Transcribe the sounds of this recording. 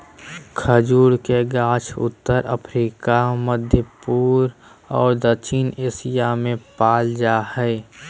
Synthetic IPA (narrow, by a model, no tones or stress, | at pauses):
kʰəd͡ʒuːɾkeɡaːt͡ʃʰʊ̰t̪ːəɾə̰pʰɾiːkaməd̪ʱjəpuːɾɔːɾd̪ət͡ʃʰineːsijamẽpaːld͡ʒaːhɛ